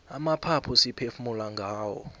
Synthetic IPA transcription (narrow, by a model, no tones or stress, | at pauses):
amapʰapʰɔsipʰefumulaŋɡʱaːwɔ̰